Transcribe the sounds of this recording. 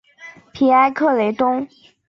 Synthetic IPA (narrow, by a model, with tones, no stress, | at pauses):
pʰi˧˥a˥ɪkʰɤ˥˩le˧˥ɪt̪ʊ˥ŋ